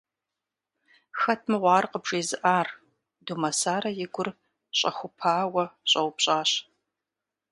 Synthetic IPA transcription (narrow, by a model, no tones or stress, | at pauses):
xɐtʰmɨʁʷɑːrqəbʒeːzɨʔaːr | dumɐsaːɾɐjɪɡʷʊr | ɕʼɐ̰xʷʊpʰaːwɐɕʼɐwʊpɕʼaːɕ